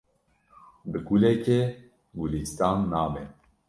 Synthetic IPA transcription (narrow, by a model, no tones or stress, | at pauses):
bɨɡulɛke | ɡulist̪ɑːnːaːmɛ